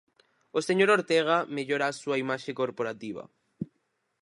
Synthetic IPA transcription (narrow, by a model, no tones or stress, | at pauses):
oseɲoɾoɾt̪eɣ̞ameʎoɾaːsuaimaʃekoɾpoɾat̪iβa̰